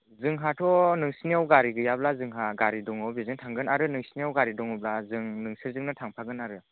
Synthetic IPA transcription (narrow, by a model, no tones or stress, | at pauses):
zɯŋɦatʰɔnɯŋsiniawɡaɾiɡɯjablazɯŋɦaɡaɾidɔŋɔwbizɯŋtʰaŋɡɯnaɾɯnɯŋsiniawɡaɾidɔŋɔblazɯŋnɯŋsɯɾzɯŋnɯtʰaŋpʰaɡɯnaɾɯ